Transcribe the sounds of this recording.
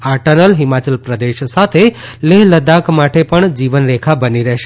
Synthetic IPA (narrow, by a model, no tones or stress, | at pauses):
aɾʈənəlɦimat͡ʃəlpɾəd̪eʃsat̪ʰeleɦləd̪akmaʈepəɳd͡ʒiʋənɾekʰabəniɾəɦʃ